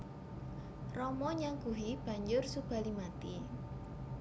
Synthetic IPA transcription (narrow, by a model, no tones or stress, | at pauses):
rɔmɔɲaŋɡuɦib̥a̤ɲd͡ʒʊrsub̥a̤limat̪i